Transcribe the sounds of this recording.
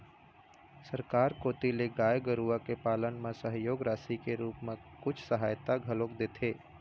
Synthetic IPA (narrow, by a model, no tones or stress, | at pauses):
sɐɾkaːɾkoːt̪ileɡaːjɡəɾuakepaːlənmẽsəɦjoːɡɾaːsikeɾuːpmẽkʊt͡ʃʰsəɦaːjt̪aɡʱɐloːkd̪eːt̪ʰeː